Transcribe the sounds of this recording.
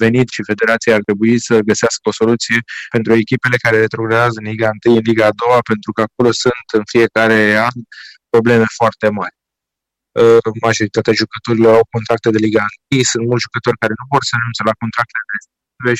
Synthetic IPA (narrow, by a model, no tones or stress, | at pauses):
ve̞nit̪ʃife̞d̪e̞ɾat̪sijaart̪ɾe̞buisəɡəseaskəo̞so̞lut̪sije̞pe̞nt̪ɾue̞kʲipe̞le̞kaɾe̞ɾet̪ɾoɡɾaazəɨnliɡaɨnt̪ɨjɨnliɡaːd̪o̞wape̞nt̪ɾukəako̞lo̞sunt̪ɨnfije̞kaɾe̞anpɾo̞ble̞me̞foart̪e̞marʲ | əmaʒo̞ɾit̪at̪eaʒukət̪o̞ɾilo̞ɾawko̞nt̪ɾak̚t̪e̞d̪eliɡaɨnt̪ɨjsunt̪mult̪ʒukət̪o̞rʲkaɾe̞nuvo̞rsənunt̪selako̞nt̪ɾak̚t̪eed̪est̪et̪ive